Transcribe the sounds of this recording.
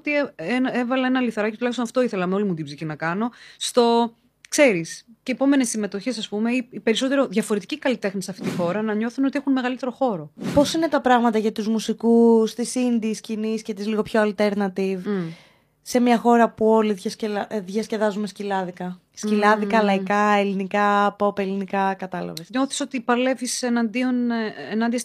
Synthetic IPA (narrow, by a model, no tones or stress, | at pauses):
t̪ienevɐlɐenɐliθɾɐcit̪ulɐçistonɐft̪oiθe̞lɐmeo̞limut̪ibzicinɐkɐno̞st̪o̞ | kse̞ɾisceːpo̞me̞nesːime̞t̪oçesɐspume̞iipe̞ɾiso̞t̪e̞ɾoðʝɐfoɾe̞t̪icikɐlit̪e̞xnisɐft̪it̪ixo̞ɾɐnɐɲo̞θunot̪iexunme̞ɣɐlit̪e̞ɾo̞xo̞ɾo̞po̞sine̞t̪ɐpɾɐɣmɐt̪ɐʝɐt̪uzmusikust̪isind̪isciniscet̪izliɣo̞pço̞ɐlt̪e̞ɾnɐt̪iv | se̞mɲɐxo̞ɾɐpuo̞liðʝɐsceðʝɐsce̞ðɐzumescilɐðikɐ | scilɐðikɐlɐikɐe̞linikɐpo̞pelinikɐkɐt̪ɐlɐ̰vesɲo̞θi̥so̞t̪ipɐle̞visenɐnd̪ionenɐnd̪iɐs